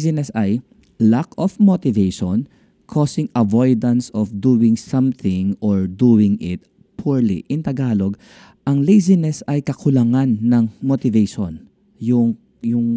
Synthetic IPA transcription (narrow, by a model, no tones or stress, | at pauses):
sɪnɛsɐj | lakofmot̪ɪvejʃon | kʰosɪŋɐvojd̪ɐnsɔfd̪uːwɪ̃ŋsɐmθɪ̃ŋʔoɹd̪uːwɪŋɪt̪̚ | pʰuɹlḭʔɪnt̪ɐɡaːloɡ | ʔɐŋlejzɪnɛsɐjkɐkʊlɐŋanːɐŋmot̪ɪvejʃon | jʊŋ | jʊŋ